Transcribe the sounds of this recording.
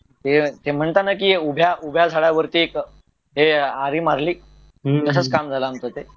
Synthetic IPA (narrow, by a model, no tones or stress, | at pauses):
t̪et̪em̤əɳt̪anakiːeubʱjaʔubʱjasaɽjaʋəɾt̪iek | ɦeaɾiːmaɾliː | t̪əsət͡skamd͡zʱalaːmt̪ət̪e